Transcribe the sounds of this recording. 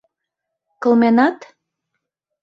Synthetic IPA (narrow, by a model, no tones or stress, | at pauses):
kɤ̆lmenɑt̪